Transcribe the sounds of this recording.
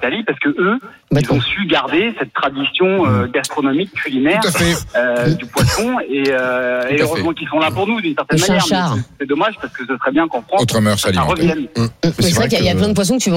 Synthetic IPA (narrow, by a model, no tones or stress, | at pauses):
t̪alipaʁsə̥kəʔø | bɛzɔ̃syɡaʁd̪esɛt̪ːχad̪isjɔ̃øɡast̪χɔnɔmikʰʲːylinɛʁt̪affɛød̪ypwasɔ̃eøeøʁøzmɑ̃kilsɔ̃lapuʁnud̪ynsɛʁt̪ɛnmañjɛʁʃɛaʁsɛd̪ɔmaʒpaʁsə̥kəsəsəχɛbjɛ̃kɑ̃fχɑ̃ot̪χəmœʁsalãʁəvjɛnmɛseʁɛkjailjaplɛ̃d̪əpwas̬ɔ̃kət̪yṽ